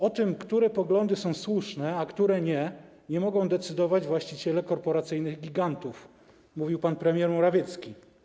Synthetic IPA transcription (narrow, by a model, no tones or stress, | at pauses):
ɔt̪ɘmkt̪uɾɛpɔɡlɔnd̪ɘsɔ̃w̃swuʂnɛakt̪uɾɛɲɛ | ɲɛmɔɡɔ̃w̃d̪ɛt̪sɘd̪ɔvad͡ʑvwaɕt͡ɕit͡ɕɛlɛkɔɾpɔɾat̪sɘjnɘɣɡʲiɡant̪uf | muvʲiwpanpɾɛmʲjɛɾmɔɾavʲjɛt̪skʲi